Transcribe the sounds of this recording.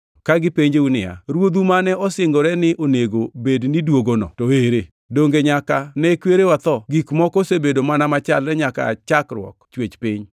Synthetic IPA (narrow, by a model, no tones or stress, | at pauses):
kaɡɪpeɲd͡ʒeunɪa̰ɾwod̪umanɛɔsɪŋɡoɾɛnɪʔoneɡobednɪdwoɡonɔ̰tɔeɾe | doŋɡeɲakanɛkweɾewat̪ɔɡikmɔkosebedomanamat͡ʃalːɛɲaka̰t͡ʃakɾwɔ̰kt͡ʃwet͡ʃpɪɲ